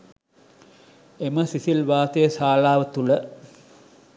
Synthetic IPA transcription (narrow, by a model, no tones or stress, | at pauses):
eməsisilʋaːt̪əjəsaːlaːʋət̪ulə